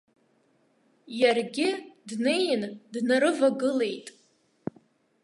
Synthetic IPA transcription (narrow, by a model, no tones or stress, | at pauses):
jarɡʲɪdne̞jndnaɾɨvaɡɨle̞jtʼ